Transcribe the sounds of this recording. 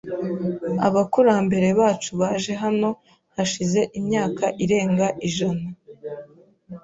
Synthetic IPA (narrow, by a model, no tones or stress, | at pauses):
a̰βakuɾaːmbe̞ɾe̞βaːt͡ʃuβaʒe̞ɦano̞ | haʃize̞ʔimɲaːkaʔiɾe̞ːŋɡaʔiʒana